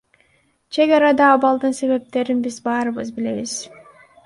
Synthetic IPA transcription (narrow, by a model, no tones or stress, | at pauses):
t͡ʃʰe̞ɡɑɾɑd̪ɑːβɑlˠd̪ɯnse̞βe̞p̚t̪e̞ɾinbizbɑːɾɯβɯzbile̞βiz̥